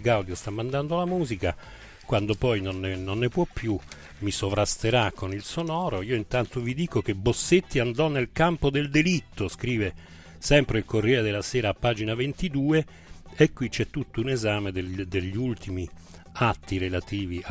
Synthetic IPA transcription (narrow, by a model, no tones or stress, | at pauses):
kawd̪jost̪amːand̪and̪olamuːzika | kwand̪opɔjnonːenonːepwɔpːju | misovɾast̪eɾakʰːonilsonɔːɾoiːoint̪ant̪ovid̪iːkok̟ebosːet̪ːiand̪ɔnːelkampod̪eld̪elit̪ːoskɾiːve | sɛmpɾeilkorjɛːɾed̪elːasɛːɾaːpːaːd͡ʒinavent̪id̪uːe | ekːwit͡ʃɛt̪ːut̪ːounezaːmed̪ed̪eʎːiult̪imi | at̪ːiɾelat̪iːvi